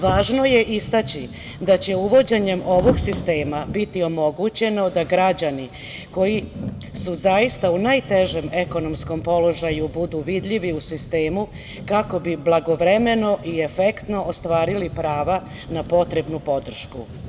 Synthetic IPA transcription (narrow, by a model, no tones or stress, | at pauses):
ʋaːʒno̞je̞ʔist̪at͡ɕi | d̪at͡ɕe̞uʋo̞d͡ʑeɲe̞mo̞ʋo̞ɡsist̪e̞ːmabit̪io̞mo̞ɡut͡ɕe̞no̞d̪aɡɾad͡ʑani | ko̞ji | suzajist̪aunajt̪e̞ʒeme̞ko̞no̞msko̞mpo̞lo̞ʒajubud̪uʋid̪ʎiʋiusist̪e̞ːmu | kako̞biblˠaɡo̞ʋɾe̞me̞no̞ʔie̞fe̞kt̪no̞ʔost̪ʋaːɾilipɾaːʋa | napo̞t̪ɾe̞bnupo̞d̪r̩ʃku